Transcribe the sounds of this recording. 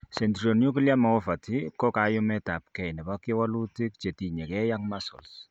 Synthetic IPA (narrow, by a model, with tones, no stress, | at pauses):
sɛ˨ntɾio˨nju˦ki˦lja˦ma˨ɔ˦fa˨tikɔ˦ka˨ju˦mɛ˦ta˨p̚kɛ˨jna˨ba˦kiwa˦lu˦ti˦kt͡ʃe˨ti˨ɲɛ˨kɛ˦ja˦ŋmasɔ̰˨ls